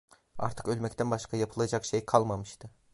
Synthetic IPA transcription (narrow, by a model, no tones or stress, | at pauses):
a̰ɾt̪ʰɯ̥kø̞lʲmɛcʲt̪ʰænbaʃkʰajapʰɯlˠad͡ʒakʃejkʰɑlˠmamɯʃt̪ʰɯ